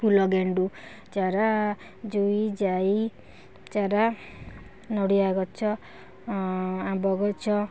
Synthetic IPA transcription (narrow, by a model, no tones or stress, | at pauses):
pulɔɡeɳɖu | t͡ʃaɾa | d͡ʒuid͡ʒaj | t͡ʃaɾa | nɔɽiaɡɔt͡ʃʰɔ | abɔɡɔt͡ʃʰɔ